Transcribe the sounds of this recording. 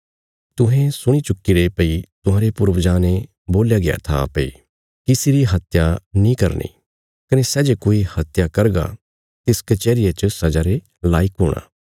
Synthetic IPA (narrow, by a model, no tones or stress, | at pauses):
t̪ʊɦɛ̃sʊɽ̃it͡ʃʊkːiɾepɐit̪ʊ̃ɦãːɾepʊɾʋd͡ʒaːne | boːljaɡɪja̰t̪ʰa̰peḭ | kɪsiɾiɦɐt̪janĩkɐɾnḭː | kɐnesɛːd͡ʒekoːihɐt̪jakɐɾɡa̰ | t̪ɪskɐt͡ʃɛːɾɪjet͡ʃəsɐd͡ʒaɾe | laːɪkɦoːɽ̃a̰ː